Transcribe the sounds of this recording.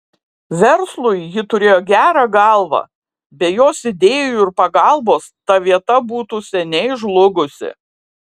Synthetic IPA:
ʋʲɛɾslˠʊɪjɪt̪ʊɾʲeːjoːɡʲæːɾɑɡɑˑlˠʋɑ̰ | bʲɛjoːsɪd̪ʲeːjuɪɾpɐɡɑlˠboːst̪ɐʋʲiɛt̪ɐbuːt̪uːsʲɛnʲɛɪʒlˠʊɡʊsʲɪ̰

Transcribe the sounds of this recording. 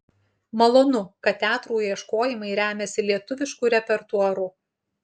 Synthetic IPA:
mɐlˠoːnʊkɐt̪t̪ʲæːt̪ɾuːjiɛʃkoːjɪmɐɪɾʲæːmʲɛsʲɪlʲiɛt̪ʊʋʲɪʃkuːɾʲɛpʲɛɾt̪uɔɾuː

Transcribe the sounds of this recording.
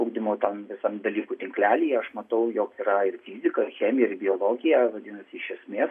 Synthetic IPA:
ɐʊɡd̪ʲɪmɐʊt̪ɐnʋʲɪsɐmd̪ɐlʲiːkuːt̪ʲɪŋklʲæːlʲiːjɛɐʃmɐt̪ɐʊjoːkiːɾɐɪrfʲiːzʲɪkɐɪxʲeːmʲɪjɛɪɾbʲɪoːlˠoːɡʲɪjæʋɐd̪ʲɪnɐsʲɪɪʃʲɛsʲmʲeːs

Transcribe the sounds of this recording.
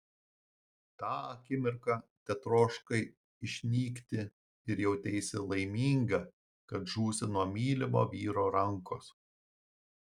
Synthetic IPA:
t̪ɑːɐkʲɪmʲɪɾkɑt̪ʲɛt̪ɾoːʃkɐɪ | ɪʃʲnʲiːkt̪ʲɪ | ɪɾjɛʊt̪ʲɛɪsʲɪlˠɐɪmʲiːŋɡɐ | kɐt̪ʒuːsʲɪnuɔmʲiːlʲɪmo̰ːʋʲiːɾoːɾɐŋkoːs

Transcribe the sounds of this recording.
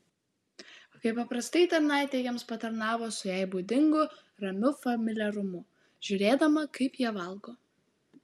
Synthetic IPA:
kɐɪpːɐpɾɐst̪ɐɪt̪ɐɾnɑˑɪt̪ʲejɛmspɐt̪ɐɾnɑːʋoːsʊjæɪbuːd̪ʲɪŋɡʊ | ɾɐmʲʊfɐmʲɪlʲɛɾʊmʊ | ʒʲʊɾʲeːd̪ɐmɐkɐɪpjiɛʋɐlˠˑɡoː

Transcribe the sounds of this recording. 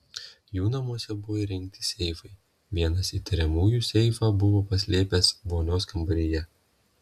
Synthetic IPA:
juːnɐmuɔsʲɛbʊʋoːiɾʲɛŋʲk̚t̪ʲɪsʲɛɪfɐɪ | ʋʲiɛnɐsiːt̪ʲɪɾʲɛmuːjuːsʲɛɪfɑːbʊʋoːpɐsʲlʲeːpʲeːsboːnʲoːskɐmbɐɾʲɪjɛ

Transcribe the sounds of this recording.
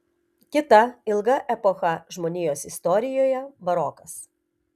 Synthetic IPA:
kʲɪt̪ɐɪlˠɡɐʔɛpɔxɐʒmoːnʲiːjoːsɪst̪ɔɾʲɪjoːjɛbɐɾɔkɐs

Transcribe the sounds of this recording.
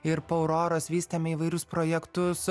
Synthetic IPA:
ɪɾpoʊɾoːɾoːsʋʲiːst̪ʲemʲɛiːʋɐɪɾʲʊspɾoːjɛkt̪ʊs

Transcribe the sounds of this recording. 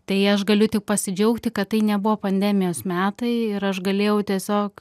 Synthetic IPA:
t̪ɐɪɐʃɡɐlʲʊt̪ʲɪk̚pɐsʲɪd͡ʒʲɛʊkt̪ʲɪkɐt̪tːɐɪnʲɛbʊʋoːpɐnʲd̪ʲæːmʲɪjoːsmʲæːt̪ɐɪɪɾɐʃɡɐlʲeːjɛʊt̪ʲiɛsʲoːk

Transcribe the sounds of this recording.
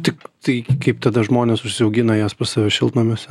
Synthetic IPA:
t̪ʲɪkt̪ɐɪkɐɪpt̪ɐd̪ɐʒmoːnʲeːsʊʃʲsʲɪɐʊɡʲɪnɐjæːspɐsɐʋʲɛʃʲɪlˠt̪nɐmʲeːsʲ

